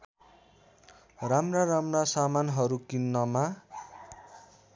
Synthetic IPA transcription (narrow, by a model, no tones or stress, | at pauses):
ramraramrasamanɦʌɾukinːʌma